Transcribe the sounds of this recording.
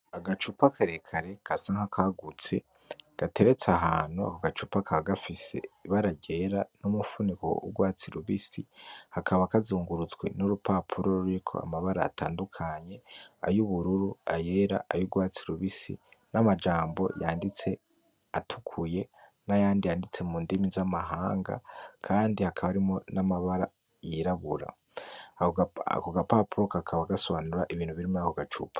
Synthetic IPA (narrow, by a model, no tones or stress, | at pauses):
aɡat͡ʃupakʰaɾekʰaɾe̞kʰasaŋhakʰaɡut͡se̞̰ | ɡ̥ate̞ɾe̞t͡saɦaːn̥hua̰koɡat͡ʃupakʰaβaɡafise̞̰iβaɾaɟe̞ɾanumufuniko̞̰ṵɡwaːt͡siɾuβisihakʰaβakazuːŋɡuɾut͡sɡwḛnuɾupʰaːpʰuɾo̞ɾuɾikʰo̞̰a̰maβaɾa̰ːtʰa̰ːndukʰaɲe̞a̰juβuɾuɾuaje̞ːɾa̰ʔajuɡwaːt͡siɾuβisḭnamad͡ʒaːmbo̞̰jaːndit͡se̞ | atʰukʰuje̞ | najaːndijaːndit͡se̞muːndimizamaɦaːŋɡa̰kʰaːndihakʰaβaɾimo̞namaβaɾa | jiɾaβuɾa̰ | aho̰koɡapaːpuɾokakʰaβaɡasoβanuɾaʔiβiːn̥huβiɾimojakoɡat͡ʃṵpʰḁ